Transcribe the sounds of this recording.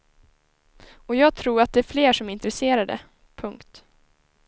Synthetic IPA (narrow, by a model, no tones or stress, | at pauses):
ɔjɑːɡ̚t̪ʰɾuːɾat̪̚d̪ɛæɾfleːʂɔmɪnt̪ɾɛseːɾaɖɛ̰ | pʰɵŋkt̪